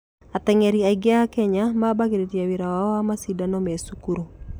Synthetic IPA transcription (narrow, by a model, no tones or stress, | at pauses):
at̪ɛŋɛɾiaiɡeakɛɲamabaɣeɾetiawiɾawaɔwamasidanɔmɛsukuɾu